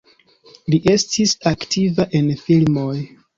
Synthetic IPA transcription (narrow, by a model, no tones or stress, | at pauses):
liʔe̞stʰisaktʰivaʔe̞nfilmoj